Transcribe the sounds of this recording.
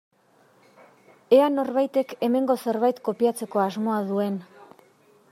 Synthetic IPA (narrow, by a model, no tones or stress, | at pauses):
e̞ano̞ɾβajt̪e̞ke̞me̞ŋɡo̞se̞ɾβajt̪ko̞piat͡se̞ko̞azmo̞aðue̞n